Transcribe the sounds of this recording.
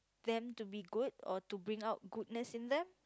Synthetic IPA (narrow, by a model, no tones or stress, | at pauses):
d̪ɛ̃mtubiɡudɔ̰tubɹĩŋaʊt̚ɡud̚nəsĩnd̪ɛ̃m